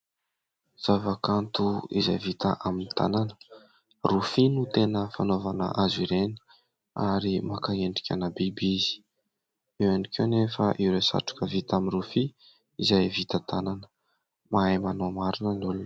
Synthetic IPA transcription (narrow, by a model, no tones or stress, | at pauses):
z̥avakant̪uḭzajvit̪ə̰ʔaminit̪a̰nanə̥ | rufinut̪enəfanovanə̰ʔaziɾeni̥ | a̰ɾimakaeɳɖ͡ʐi̥kʲanabibizi̥ | ewanikʲenefəʔiwɾesa̰ʈ͡ʂu̥kəvit̪aminrufi | izajvit̪ət̪ananə̥ | maajmanomaɾunənulun